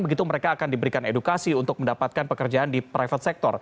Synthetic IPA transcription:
bəɡit̪uməɾekaːkandibəɾikanedukasiunt̪ʊk̚məndapat̪̚kanpəkərd͡ʒaandipɾajfət̪sɛk̚t̪ɔr

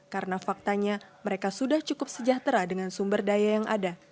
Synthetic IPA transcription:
kaɾənafak̚t̪aɲaməɾekasudaht͡ʃukʊp̚səd͡ʒaht̪əɾadəŋansumbərdajajaŋʔa̰da

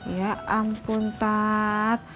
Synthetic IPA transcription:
jaampunt̪at̪̚

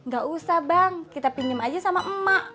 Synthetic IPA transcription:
ŋɡaʔusahbaŋkit̪apiɲəmad͡ʒasamaʔəmaʔ

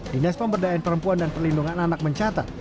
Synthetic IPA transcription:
dinaspəmbərdanpəɾəmpuandanpərlinduŋananak̚məɲt͡ʃat̪a̰t̪̚

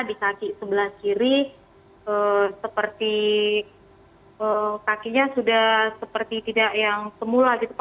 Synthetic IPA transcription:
dikakisəbəlaht͡ʃiɾi | əsəpərt̪i | əkakiʔɲasudahsəpərt̪it̪idaʔjaŋsəmulaɡit̪up

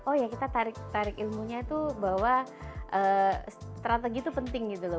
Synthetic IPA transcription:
ɔhjakit̪at̪aɾɪk̚t̪aɾɪkilmuɲat̪ubawaʔəːst̪ɾat̪eɡit̪upənt̪ɪŋɡit̪ulʊ

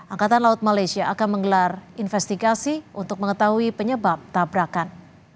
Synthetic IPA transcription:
ʔaŋkat̪anlaʊt̪̚malajsiaʔakanməŋɡəlarinfɛst̪iɡasiʔunt̪ʊk̚məŋət̪aɦuipəɲəbap̚t̪abɾakan

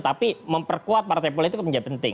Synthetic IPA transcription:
t̪apiməmpərkuat̪̚part̪ajp̬olit̪kpəɲd͡ʒapənt̪ɪ̰ŋ

